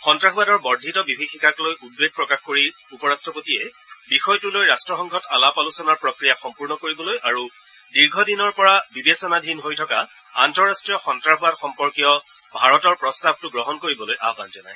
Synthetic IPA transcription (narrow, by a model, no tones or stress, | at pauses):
xɔntɹaɦuatɔɹbɔɹdʱitɔbibʱixʰikʰaklojʔud̚beɡ̚pɹɔkaxkoɹi | upɔɹastɹɔpotiɛ | bixɔjtulojɹastɹɔxɔŋɡʱɔtalapalusɔnaɹpɹɔkɹijaxɔmpuɹnɔkoɹibɔlojʔaɹu | diɹɡʱɔdinɔɹpɔɹabibesɔnadʱinɦojtʰɔka | a̰ntɔɹastɹijɔxɔntɹaxuatxɔmpɔɹkijɔ | bʱaɹɔtɔɹpɹɔstab̚tʊɡɹɔɦɔnkoɹibɔlojʔa̰panzɔnaj